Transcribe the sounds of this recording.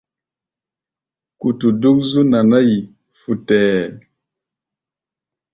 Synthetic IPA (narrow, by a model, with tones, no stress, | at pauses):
ku˨tu˨du˦k̚zu˦na˨na˦ji˨ | fu˨tɛː˨